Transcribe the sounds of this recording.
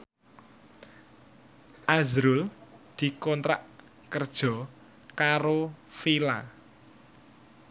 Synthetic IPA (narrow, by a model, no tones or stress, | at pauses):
ʔazɾʊld̪̥i̤kɔnt̪ɾa̰ʔ | kərd̥ʒ̥ɔ̤ | kaɾofila̰